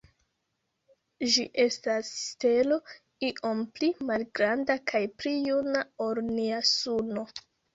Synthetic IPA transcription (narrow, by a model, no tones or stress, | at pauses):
ʒiʔe̞stasːte̞lo̞ | iʔo̞mplimalɡɾandakʰajplijunaoɾniasuno̞